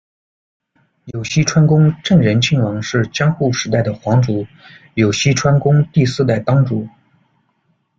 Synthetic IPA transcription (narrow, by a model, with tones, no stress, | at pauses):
jo˨˩ʊɕi˥ʈ͡ʂʰwa˥nkʊ˥ŋʈ͡ʂə˥˩ŋɻə˧˥nt͡ɕʰi˥˩ŋwɑ˧˥ŋʂɻ̩˥˩t͡ɕjɑ˥ŋxu˥˩ʂɻ̩˧˥t̪̬a˥˩ɪd̪ə˩xwɑ˧˥ŋʈ͡ʂu˧˥ | jo˨˩ʊɕi˥ʈ͡ʂʰwa˥nkʊ˥ŋt̪i˥˧sɹ̩˥˧t̪a˥˩ɪt̪ɑ˥ŋʈ͡ʂu˨˩˦